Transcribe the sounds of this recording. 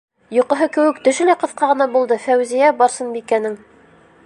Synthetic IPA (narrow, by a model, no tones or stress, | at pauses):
jŏqɤ̆ɦɤkɘ̆wɘkt̪ɵ̆ʃɘ̆læqɤ̆θqɑʁɤ̆nɑbulˠd̪ɤfæwzijæbɑɾsɤnbikænɘŋ